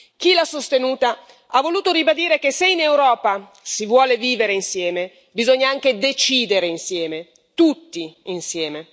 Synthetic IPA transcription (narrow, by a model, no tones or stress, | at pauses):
k̟ilasost̪enuːt̪a | avːoluːt̪oɾibad̪iːɾek̟eseinewɾɔːpa | sivwɔːleviːveɾeinsjɛːme | bizoɲːaaŋk̟ed̪et͡ʃiːd̪eɾeinsjɛːme | t̪ut̪ːiinsjɛːme